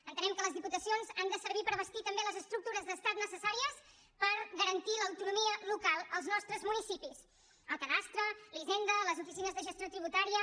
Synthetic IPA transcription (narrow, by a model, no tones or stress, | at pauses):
ənt̪ənɛmkələzðiput̪əsionzand̪əsəɾβipəɾβəst̪it̪əmbeləzəst̪ɾuk̚t̪uɾəzðəst̪at̪nəsəsaɾiəs | pəɾɣəɾənt̪iləwt̪unumiəlukalˠəlˠznɔst̪ɾəzmunisipis | əlˠkəðast̪ɾəliʒend̪ələzufisinəzðəʒəst̪jot̪ɾiβ̞ut̪aɾiə